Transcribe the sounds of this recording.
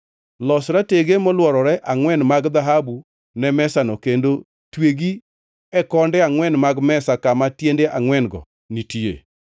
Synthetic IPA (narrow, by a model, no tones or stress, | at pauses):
lɔsɾateɡemɔlwɔɾɔɾɛʔaŋwɛnmaɡd̪aɦabu | nɛmɛsanɔkendo | tweɡi | ɛkɔndɛaŋwɛnmaɡmɛsakamatjendeʔaŋwɛnɡɔ̰ | nitiḛ